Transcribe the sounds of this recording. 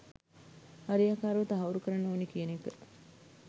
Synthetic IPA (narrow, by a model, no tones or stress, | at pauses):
haɾijakaːɾuʋɐt̪əɦauɾukəɾanːoːnikijənekə